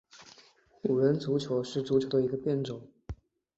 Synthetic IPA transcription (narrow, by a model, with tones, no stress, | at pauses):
lju˨˩ɻə˧˥nt͡su˧˥t͡ɕʰjo˧˥ʊʂɻ̩˥˩t͡su˧˥t͡ɕʰjo˧˥ʊd̪ə˧i˧˥ɡə˧pjɛ˥˩nʈ͡ʂʊ˨˩˦